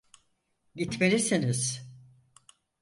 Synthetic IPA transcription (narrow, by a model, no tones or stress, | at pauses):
ɟit̪melisiniz̥